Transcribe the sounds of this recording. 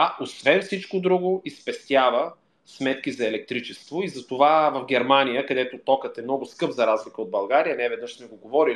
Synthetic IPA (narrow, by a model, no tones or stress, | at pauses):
aʔosvɛnfsit͡ʃkod̪ɾuɡoispɛst̪javə | smɛt̪kizɐɛlɛk̚t̪ɾit͡ʃɛst̪voizɐt̪ovavɐvɡʲɛɾmanijəkɐd̪ɛt̪ot̪ɔkət̪ɛmnɔɡʊskɤpzɐɾazlikəod̪̚bɐlˠɡaɾijənɛvɛd̪nəʃsmɛɡoɡovɔɾi